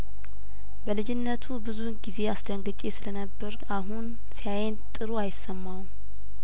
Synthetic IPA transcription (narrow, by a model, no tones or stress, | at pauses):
bəlɨd͡ʒɪnːət̪ʰubɨzuɡize̞asd̪əŋɡət͡ʃʼesɨlənəbːəɾ | aɦun | sijajent̪ʼɨɾoajɪsːəmːaw